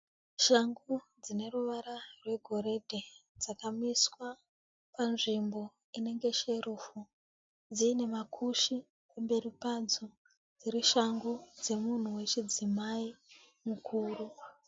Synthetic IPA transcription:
ʃaŋɡud͡zine̞ruʋaɾarwe̞ɡʱo̞ɾe̞dʱed͡zakamiswa | panʐimbo̞ | ine̞ŋɡe̞ʃe̞ɾufu | d͡ziːne̞makʰuʃi | pembe̞ripad͡zo | d͡ziɾiʃaŋɡud͡ze̞mun̤uwe̞t͡ʃid͡zimai | mukʰuːru

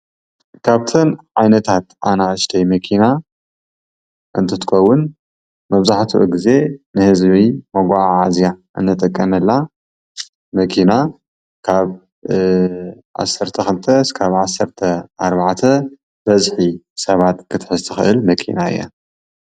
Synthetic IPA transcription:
kʰaβt̪ʰɨnʕajnɐt̪ʰat̪ʔa̰naɨʃt̪ʰɐjmɐkʰina | ʔɨnt̪ʰɐt̪ʰɨ̥xʰɐwːʊn | mɐβzaħt̪ʰuʔṵɡize̞nɨhɨzβimoɡʷaʕʕazjaʔɨ̰nːɨt̪ʼɐkʼːɐmɐlːa | mɐkʰina | kʰaβ | ʕa̰sːɐɾt̪ʰɐxɨlt̪ʰɐskʰaβʕasːɐɾt̪ʰɐaɾβaʕt̪ʰɐ | bɐzħisɐβat̪kʰɨt̪ʰħɨzt̪ʰɨxɨʔɨlmɐkʰḭnaɨ̰jːa̰

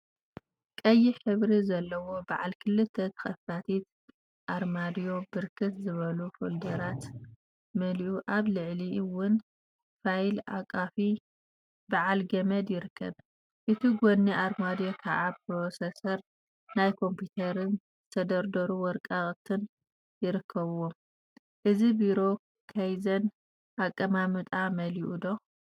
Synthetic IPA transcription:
kʼɐjːiħɨβɾizɐlːɐwo̞baʕalkʰɨlːɨt̪ʰːet̪ʰɐ̥xɐfat̪ʰit̪ | ʔaɾmad̪ijo̞bɨɾkʰɨt̪zɨβɐlufo̰ld̪ɐɾat̪ | mɐliʔuʔaβlɨʕliwʊn | fajla̰kʼafi | baʕalɡɐmɐd̪jɪɾɨkʰːɐ̰β | ʔɨt̪ʰiɡonːiʔaɾmad̪jokʰaʔap̚ɾo̞sesɐɾ | najkʰo̞mput̪ʰɐɾɨnzɨt̪ʰɐd̪ɐɾd̪ɐɾuwɔɾkʼaχʼt̪ʰɨn | jɪɾɨkʰːɐβwom | ʔɨzibiɾo̞ | kʰɐjzɐn | ʔakʼːɐmamɨt̪ʼamɐliʔud̪o̞

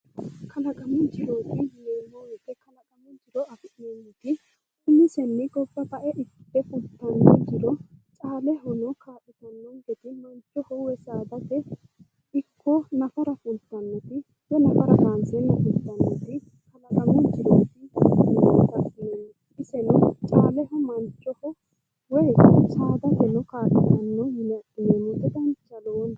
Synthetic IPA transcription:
kʰɐlɐɡɐmʊnd͡ʒɪɾoːt̪ɪneːmːɔwɛkːɛkɐlɐɡɐmʊnd͡ʒɪɾɔɐfɪnenːɛt̪ɪ | ʊmɪsɛnːɛɡɔbːɐbɐʔɛʔɪpːɛfʊt̪ːɐnːɔd͡ʒɪɾɔt͡ʃʼaːlɛɦɔnɔkʰaːʔɪt̪ɐnːɔnɡɛt̪ɪmɐnt͡ʃʼːɔhʊwɛsaːb̪ɐt̪ɛ | ɪkʰːɔnɐfɐɾɐfʊnt̪ːɐnːɔt̪ɪ | hɛnɐfɐɾɐdaːnsɛnːɔfʊt̪ːɐnːɔt̪ɪ | hɐlɐkɐmʊd͡ʒɪd̪ɔt̪ɪnt̪ɐsɪneːmːɔ | ɪsɛnɔt͡ʃʼaːlɛɦɔmɐnt͡ʃʼːɔhʊ | wɛjt͡ʃaːd̪ɐt̪ɛnɔkaːʔʼɪt̪ɐnːɔmɪnɛɐkːɪneːmːɔd̪ɛd̪ɐnt͡ʃːɐlɔn

